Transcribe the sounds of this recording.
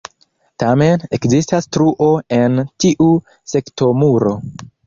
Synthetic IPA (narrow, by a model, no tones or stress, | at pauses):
tame̞ne̞kzistastɾuʔo̞e̞ntiʔu | se̞kto̞muɾo̞